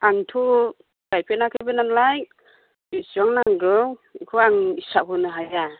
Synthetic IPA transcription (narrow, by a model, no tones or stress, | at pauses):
aŋtʰu | ɡ̥ajpʰenakʰɯjbɯnanlaj | isiɔŋnaŋɡɯwikʰuaŋisaɦɯnɯɦaja